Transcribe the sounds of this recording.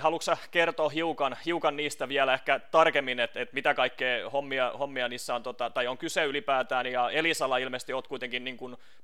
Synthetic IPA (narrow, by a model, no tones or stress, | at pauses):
hɑluksɑkert̪oːhiukɑnhiukɑnniːst̪æʋiælæehkæt̪ɑrkemːinet̪et̪mit̪ækɑikːeːhomːiɑhomːiɑniːsːæont̪ot̪ɑt̪ɑjoŋkyseylipæːt̪æːnjɑelisɑlːɑilmest̪ioːt̪̚kuit̪eŋkinniːŋkun